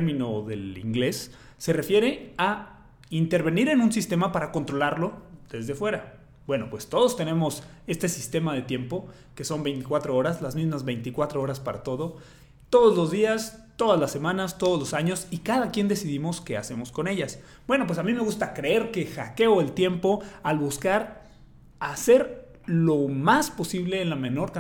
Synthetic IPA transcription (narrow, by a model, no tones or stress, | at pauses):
mĩno̞ðe̞̰lḭŋɡle̞sː | e̞re̞fje̞ɾe̞a | int̪e̞ɾβe̞niɾe̞nũnsist̪e̞mapaɾako̞nt̪ɾo̞laɾlo̞ð̥e̞zðe̞fwe̞ɾa | bwe̞no̞pwe̞st̪o̞ðo̞st̪e̞nẽ̞mo̞s | e̞st̪e̞sist̪e̞mað̞e̞t̪je̞mpo̞ | ke̞so̞mbe̞jnt̪i̥kwat̪ɾo̞oɾazlazmizmazβe̞jnt̪ikwat̪ɾoo̞ɾaspaɾa̰t̪o̞ð̞o̞ | t̪o̞ðozlo̞zðiast̪o̞ðazlasːe̞mãnast̪o̞ðozlo̞saɲo̞sikaðakje̞nd̪e̞siðimo̞ske̞ase̞mo̞sko̞ne̞ʝas | bwe̞no̞p̬we̞samĩme̞ɣust̪akɾe̞e̞ɾke̞xake̞oelt̪je̞mpo̞alβuskaɾ | ase̞ɾ | lo̞maspo̞siβle̞ːnlamẽ̞no̞ɾka